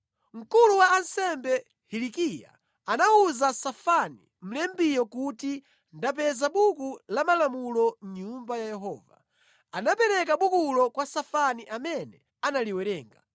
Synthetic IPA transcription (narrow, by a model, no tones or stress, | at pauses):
ŋ̩kuluwaːnsɛmbɛ | hilikija̰ | anauzasafanḭ | m̩lɛmbijɔkuti | ndap̬ɛzaɓukulamalamulɔɲumbajajɛɦɔ̰ːva̰ | anapɛɾɛkaɓukulɔkwasafaniʔamɛnɛ | analiwɛɾɛːŋɡa̰